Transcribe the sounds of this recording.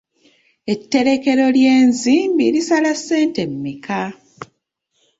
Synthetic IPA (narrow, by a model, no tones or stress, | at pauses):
e̞tːe̞ɾe̞ke̞ɾo̞ljeːnziːmbiɾisalasːe̞ːnte̞mːika